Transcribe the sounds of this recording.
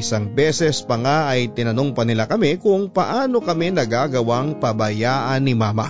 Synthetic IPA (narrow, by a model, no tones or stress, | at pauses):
ʔɪsaŋbɛːsɛspɐŋaʔɐjt̪ɪnɐnoŋpɐnɪlakɐmɛkʊŋpɐʔaːno̞kɐmɛnɐɡaːɡɐwaŋpɐbɐjaːʔɐnːɪmaːmɐ̰